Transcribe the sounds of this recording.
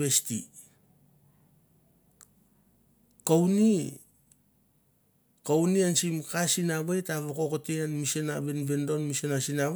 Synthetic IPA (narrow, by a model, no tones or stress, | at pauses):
bestḭ | kowni | kowniansimkasinaβejtaβokokoteanmisenaβenbendo̞nmisenasina